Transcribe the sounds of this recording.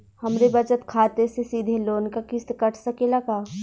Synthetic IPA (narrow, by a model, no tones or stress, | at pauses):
hɐmɾebɐt͡ʃət̪kʰaːt̪esesiːd̪ʱeloːnkakɪst̪kɐʈʰsɐkelɐɡaː